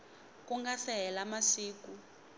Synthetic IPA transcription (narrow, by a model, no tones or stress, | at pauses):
kuŋɡaθɛɛlamasiːku